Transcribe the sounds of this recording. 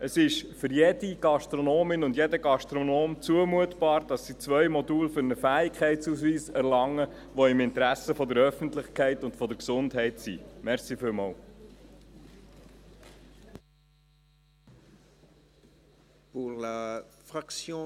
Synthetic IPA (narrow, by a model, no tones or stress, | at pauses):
ʔəsɪʃfʏɾjɛdiɡ̥ɑʃtɾɔnoːmɪnʊndjɛdəɡɑʃtɾonoːmt͡suəmuətbɑːɾd̥ɑsːit͡sʋœʏmɔduːlfʏɾnəfæːɪkχɛɪtt͡shusʋiːsɛɾlɑŋːə | ʋɔɪmɪntəɾæsəfɔd̪əɾœfən̩tlɪχkʰɛɪtʊntfɔdəɾksʊndɦɛɪtsḭmɛɾsiːfɪlmɑːl | puʁlafʁaksjɔ̃